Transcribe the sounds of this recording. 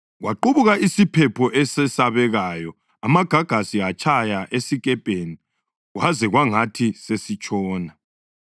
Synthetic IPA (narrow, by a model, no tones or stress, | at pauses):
ɣwaǃuβuɣaʔisipʰɛpʰɔʔɛsɛsaβɛɣajɔ | amaɡ̥ʱaɡ̥ʱasiat͡ʃʼʰajaʔesiɣʼɛpʼeni | ɣwazɛɣwaŋatʰisesit͡ʃʼɔːna